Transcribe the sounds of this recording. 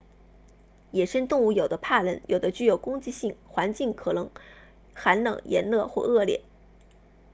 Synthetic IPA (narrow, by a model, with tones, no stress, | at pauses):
jɛ˨˩ʂə˥nt̪ʊ˥˧ŋu˧˥˩jo˨˩ʊd̪ə˦pʰa˥˩lə˧˥njʔo˨˩ʊd̪ə˦t͡ɕy˥˩jo˨˩ʊkʊ˥ŋt͡ɕi˥˧ɕi˥˩ŋxwa˧˥nt͡ɕi˥˩ŋkʰɤ˨˩nɤ˧˥ŋ | xa˧˥nlɤ̰˨˩ŋjʔɛ̰˧˥nlɤ˥˧xwɔ˥˧ɤ˥˧ljɛ̰˥˩˦n